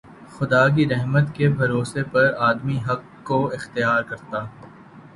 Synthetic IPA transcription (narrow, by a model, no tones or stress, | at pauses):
xʊd̪aːk̬iɾɛɦmət̪kebʱɐɾoːsepɐɾaːd̪miɦɐk | koɪxt̪ɪjaːɾkɐɾt̪aː